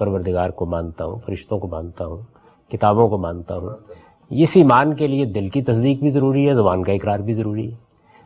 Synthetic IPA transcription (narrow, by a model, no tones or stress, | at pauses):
pɐɾʋəɾd̪ʱɪɡaːɾkomãːnt̪aɦũfɐɾɪʃt̪õkomãːnt̪aɦũː | kɪt̪aːbõkomãːnt̪aɦũː | ɪsiːmaːnkelied̪ɪlkit̪ɐs̬d̪iːk̚bʱizɐɾuːɾiɦɛzɐbaːnkaɪkɾaːɾbʱizɐɾuːɾiɦɛː